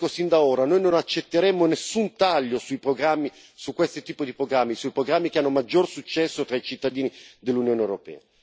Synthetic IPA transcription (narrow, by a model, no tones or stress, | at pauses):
osind̪aoːɾanojnonat͡ʃːet̪ːeɾɛmːonesːunt̪aʎːosuipɾoɡɾamːi | sukːwest̪it̪ːiːpod̪ipɾoɡɾamːisuipɾoɡɾamːikeanːomad͡ʒːorsut͡ʃːɛsːot̪ɾait͡ʃit̪ːad̪iːnid̪elːunjoːnewɾopɛ̰ːa